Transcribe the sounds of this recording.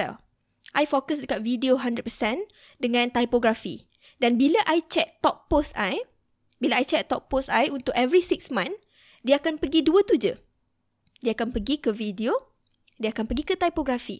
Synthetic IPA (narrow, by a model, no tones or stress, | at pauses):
ɛ̰l | ʔajfokəsdəkat̪̚vidioɦãndɾət̚pəsɛ̃n | dəŋãnt̪ajpoɡɾafi | danbilaʔajt͡ʃɛk̚t̪ɔk̚posaj | bilaajt͡ʃɛk̚t̪ɔʔ̚posajunt̪ʊkɛvɾisiksmãn | diaakanpəɡiduət̪ud͡ʒə | diaakanpəɡikəvidio | diaakanpəɡikət̪ajpoɡɾafḭ